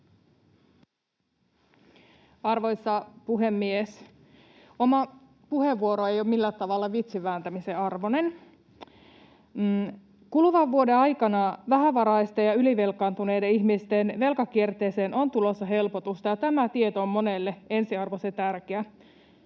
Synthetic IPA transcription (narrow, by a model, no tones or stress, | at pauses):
ɑrʋo̞jsːɑpuɦe̞mːies | o̞mɑ | puheʋːuo̞ɾoe̞joːmilːæt̪ɑʋɑlːɑʋit̪siʋæːnt̪æmiseɑrʋo̞ne̞n | kuluʋɑʋːuode̞ɑjkɑnɑʋæɦæʋɑɾɑjst̪ejɑyliʋelkːˑɑːnt̪unejdeiçmist̪enʋe̞lkɑkiert̪e̞ːse̞ːnʔo̞nt̪ulo̞sːɑɦe̞lpot̪ust̪ɑjɑt̪æmæt̪iet̪oomːo̞nelːee̞nsiɑrʋoset̪ærkeæ